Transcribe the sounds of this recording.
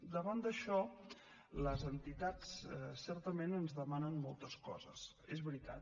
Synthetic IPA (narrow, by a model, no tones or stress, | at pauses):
d̪əβand̪əʃɔ | ləzənt̪it̪at͡ssɛɾt̪əmenənzðəmanənmɔlˠt̪əskɔ̰zə̰s | ezβɾit̪a̰t̪